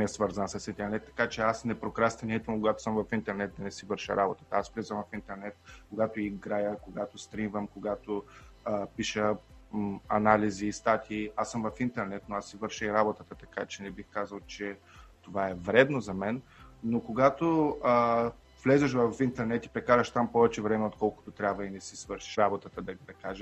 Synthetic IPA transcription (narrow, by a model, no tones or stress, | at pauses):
ɛsvɤɾzənsɐsint̪ɛɾnɛt̪ːɐ̥kat͡ʃɛasnɛpɾokɾast̪ɛniit̪vəmkoɡat̪o̥səmvɐfint̪ɛɾnɛt̪̚d̪ɐnɛsivɤɾʃə̰ɾabot̪ə̥t̪əasvlɛzɐmvɐfint̪ɛɾnɛt̪koɡat̪oiːɡɾajəkoɡat̪ost̪ɾimvəmkoɡat̪o | piʃə | ɐnaliziːst̪at̪ʲʰiːasɤmvɐfint̪ɛɾnɛt̪noasːivɤɾʃəiɾabot̪ət̪ət̪ɐkat͡ʃɛnɛbixkazɐlˠt͡ʃɛ | t̪ovaɛvɾɛd̪nozɐmɛnːokoɡat̪oə | v̥lɛzɛʃvɐfint̪ɛɾnɛt̪i̥pɾɛkaɾəʃt̪ampɔvɛt͡ʃɛvɾɛmɛot̪kɔlˠkʊ̥t̪ot̪ɾʲabvɐinɛsisvɤɾʃi̥ʃɾabot̪ət̪əd̪ɐɡp̪ɛkaʒə